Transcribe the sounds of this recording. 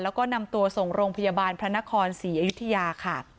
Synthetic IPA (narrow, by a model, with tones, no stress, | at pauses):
lɛː˦˥wkɔː˥˩na˧mt̪u˧ɐso˨˩ŋɾoː˧ŋpʰa˧jaː˧baː˧npʰɾa˦˥na˦˥kʰɔː˧nsiː˩˦ʔaː˧ju˦˥t̪ʰːa˧jaː˧kʰa˥˩